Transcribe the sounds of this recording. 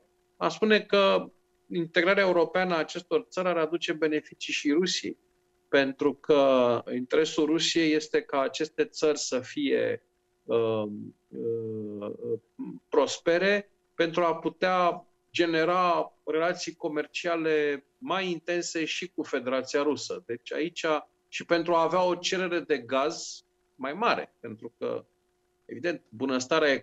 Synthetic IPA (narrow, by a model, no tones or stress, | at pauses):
a̰spune̞kə | int̪e̞ɡɾaɾeae̞uɾo̞peanəaːt͡ʃe̞st̪o̞rt̪səɾʲaɾad̪ut͡ʃe̞be̞ne̞fit͡ʃiʃiɾusijḛj | pe̞nt̪ɾukʰəint̪e̞ɾe̞sulrusije̞jːe̞st̪e̞kaːt͡ʃe̞st̪e̞t̪sərʲsəfije̞̰ | ə | ə | pɾo̞spe̞ɾe̞ | pe̞nt̪ɾuaput̪ea | d͡ʒe̞ne̞ɾare̞lat̪sijko̞me̞rt͡ʃiale̞ | majint̪e̞nse̞ʃikufe̞d̪e̞ɾat̪sijaɾusəd̪e̞t͡ʃʲa̰it͡ʃʲa | ʃipe̞nt̪ɾuaːveao̞t͡ʃe̞ɾe̞ɾe̞d̪e̞ɡaz | majmaɾe̞̰pe̞nt̪ɾukə̰ | e̞vid̪e̞nt̪̚bunəst̪aɾe